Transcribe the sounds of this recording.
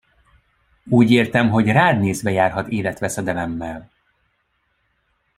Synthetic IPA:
uːɟeːrt̪ɛmɦo̞ɟraːd̪neːzbɛjaːrɦɒt̪eːlɛt̪ʋɛsɛd̪ɛlɛmːɛl

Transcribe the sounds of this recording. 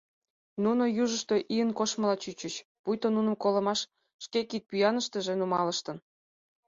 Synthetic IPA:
nunojuʒəʃt̪oʔiənkoʃmə̆lɑt͡ɕyt͡ɕət͡ɕpujt̪onunə̆mkolə̆mɑʃː | kekit̪̚pyjɑnəʃt̪ə̆ʒĕnumɑləʃt̪ən

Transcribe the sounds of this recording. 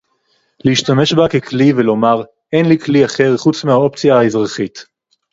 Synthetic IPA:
leiʃtame̞ʃbakeklivelo̞maʁ | enlikliaχe̞ʁχut͡smehao̞pt͡sijaaezʁaχit

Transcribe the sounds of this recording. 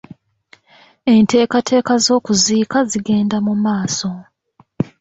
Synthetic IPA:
e̞nte̞ːkatʰe̞ːkazo̞ːkuziːkaziɡe̞ːndamumaːso̞

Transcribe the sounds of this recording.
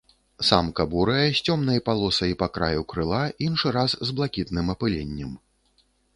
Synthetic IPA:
samkɐbuɾɐjɛsʲt͡sʲɔmnɐjpalˠɔsɐipakɾa̰jukɾɨlˠainʂɨɾaszblˠakʲit̪nɨmɐpɨlʲenʲːɛm

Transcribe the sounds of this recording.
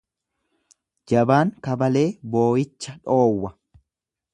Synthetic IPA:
d͡ʒɐbaːŋkɐbɐle̞ːbo̞ːjɪt͡ʃːɐᶑo̞ːwːɐ

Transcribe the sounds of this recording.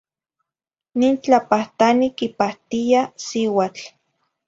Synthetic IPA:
niːnt͡ɬapaht̪anikipaht̪ijasiwat͡ɬ

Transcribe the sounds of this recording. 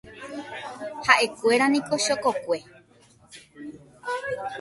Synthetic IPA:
haʔe̞kʷe̞ɾanĩko̞ʃokokʷe̞

